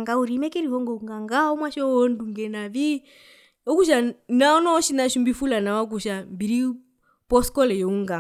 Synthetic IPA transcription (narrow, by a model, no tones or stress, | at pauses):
ŋɡauɾimɛkɛɾiɦɔŋɡɔuŋɡaŋɡaɔmwaʃɔɔnduŋɡɛnaβi | ɔkuʃ̬anaɔnɔɔʃinaʃumbifulanawak̬uʃambiɾi | pɔskɔlɛjɔuŋɡa